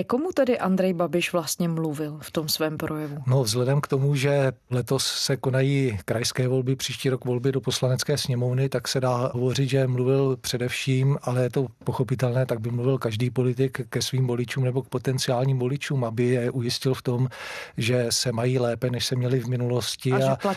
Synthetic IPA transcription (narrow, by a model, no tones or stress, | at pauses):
komut̪ɛdɪʔand̪ɾɛjbabɪʃvlast̪ɲɛmluvɪlft̪o̞msvɛːmpɾʔojɛvuno̞vzɦlɛdɛmkt̪o̞muʒɛlɛt̪o̞sːɛko̞najiːkɾajskɛːvo̞lbɪpr̝̥iːʃciːɾokvo̞lbɪdopo̞slanɛt͡skɛːsɲɛmo̞vnɪt̪aksɛdaːɦo̞vo̞rɪt̪ʒɛmluvɪlpr̥ɛdɛfʃiːmʔalɛjɛt̪o̞poxo̞pɪt̪ɛlnɛːt̪aɡ̚bɪmluvɪlkaʒdiːpo̞lɪt̪̬ɪkːɛsviːmvo̞lɪt͡ʃuːmnɛbo̞k̚po̞t̪ɛnt͡sɪaːlɲiːmvo̞lɪt͡ʃuːmabɪjɛʔujɪscɪlft̪o̞mʒɛsɛmajiːlɛːpɛnɛʃsɛmɲɛlɪvmɪnulo̞scɪaa